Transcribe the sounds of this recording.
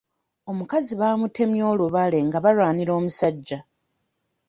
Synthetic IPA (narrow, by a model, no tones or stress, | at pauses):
o̞mukaziβamute̞mjo̞ːluβale̞ŋɡaβalwaːniɾo̞ːmusaɟːa